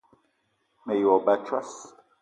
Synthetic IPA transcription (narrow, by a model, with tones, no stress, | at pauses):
me˨jɔ˨ba˨t͡ʃwa˦s